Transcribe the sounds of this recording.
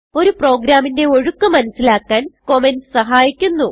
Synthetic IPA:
o̞ɾupro̞ːɡɾaːminde̞o̞ɻukːɐmɐnɐsːilaːkːaːnko̞mensɐɦaːjikʲːunːu

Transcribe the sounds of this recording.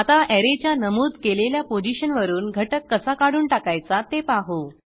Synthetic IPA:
at̪aʔɛɾet͡ɕjanəmuːd̪keleljapod͡ʑiɕənʋəɾuːnɡʱəʈəkːəsakaɽ̤uːnʈakajt͡sat̪epaɦo

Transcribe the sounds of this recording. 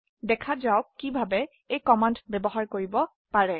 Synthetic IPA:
dɛkʰazawkːibʱabɛ | ejkɔmandbɛbɔɦaɹkoɹibɔ | paɹɛ

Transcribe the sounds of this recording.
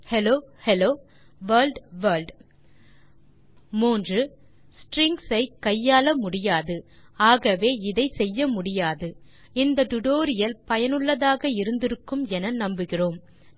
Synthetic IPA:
hɛloːhɛloː | ʋɐːlɖʋɐːlɖ | muːndrɯ | sʈɾɪŋɡsɐɪkɐjːaːlɐmʊɽɪjaːðɯaːɣɐʋeːɪðɐɪsɛjːɐmʊɽɪjaːðɯ | ɪnd̪ɐʈ̪ʊʈoːɾɪjɐlpɐjɐnɯɭːɐðaːɣɐɪɾɯnd̪ɪɾɯkːɯmɛnɐnɐmbɯɣɪroːm

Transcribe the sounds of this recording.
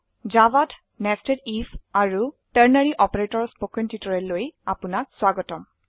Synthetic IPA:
d͡ʒavat | nɛstedifaɹu | tɛɹnaɹiʔɔpeɹetɔɹspokɔntitɔɹɛlːojapunak̚swaɡɔtɔm

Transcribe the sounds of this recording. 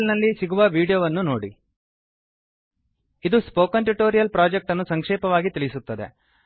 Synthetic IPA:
lnɐlːisiɡuʋɐʋiːɽijoːʋɐnːuno̞ːɽi | id̪uspoːkɐnʈuʈoːɾijɐlpɾaːd͡ʒek̚ʈɐnːusɐŋkʂɛːpɐʋaːɡit̪iɭisut̪ːɐd̪ḛ

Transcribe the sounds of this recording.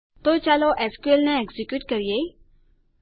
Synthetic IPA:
t̪ot͡ʃaloʔɛskuelneeɡzikjuːʈkəɾije

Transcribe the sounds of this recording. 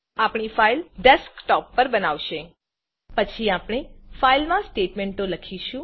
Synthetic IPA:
apɳifailɖɛskʈɔpːəɾbənaʋʃe | pət͡ʃʰiapɽ̃efailmãsʈeʈmeɳʈːoləkʰiʃũ

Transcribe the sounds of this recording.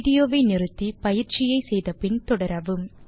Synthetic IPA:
ɽɪjoːʋɐɪnɪrɯt̪ːipɐjɪɾt͡ʃɪjɐɪsɛjðɐpɪnt̪ɔɽɐɾɐʋɯm

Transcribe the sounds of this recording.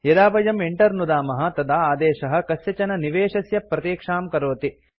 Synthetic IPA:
jɐd̪aːbɐjɐmeɳʈɐɾnud̪aːmɐɦɐ̆t̪ɐd̪aːaːd̪ɛːʃɐɦɐ̆kɐsjɐt͡ʃɐnɐniʋeːʂɐsjɐpɾɐt̪eːkʂaːmkɐɾoːt̪i

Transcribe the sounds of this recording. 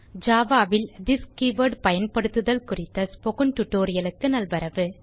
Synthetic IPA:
d͡ʒaːʋaːʋɪld̪ɪskiʋɐɖpɐjɐnpɐɽɯt̪ːɯðɐlkʊrɪt̪ːɐspɔɣɯnʈ̪ʊʈːoːɾɪjɐlɯkːɯnɐlʋɐɾɐʋɯ

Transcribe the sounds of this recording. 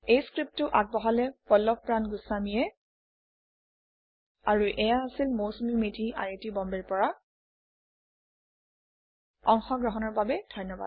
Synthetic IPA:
ejskɹip̚tʊʔak̚bɔɦalɛpɔlːɔk̚pɹanɡusamijɛ | aɹuʔɛjaːsilmosmimetʰia̰jetibɔmbɛɹpɔɹa | ɔŋxɔɡɹɔɦɔnɔɹbabɛd̥ʱɔjnːɔba̰d̚

